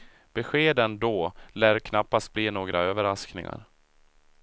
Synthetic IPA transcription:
b̥ɛɧeːd̪ənd̪ɔlæːɾkʰnapːast̪̚bliːnoːɡɾʔaøːvəɾasknɪ̰ŋa̰ɾ

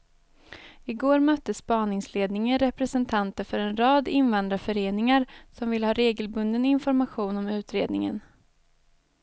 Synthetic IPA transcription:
ɪɡoːɾmœt̪ːəspɑːnɪŋsleːd̪nɪŋəɾɛpɾɛsɛnt̪ʰant̪əɾfœɾɛnɾɑːd̪ɪnvand̪ɾafœɾeːnɪŋaɾsɔmvɪlhɑːɾeːɡəlbɵnd̪ənɪnfɔɾmaɧuːnɔmʉ̟ːt̪ɾeːd̪nɪŋə̰n

